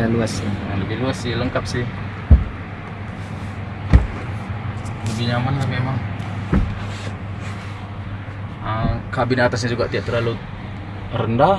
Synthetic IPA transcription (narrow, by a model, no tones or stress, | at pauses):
aluasialuɡiluasːihləŋkap̚sih | muɡiɲamanlamemaŋ | əkabinat̪as̬ɲad͡ʒuɡaʔt̪iaʔt̪ərlalu | rənda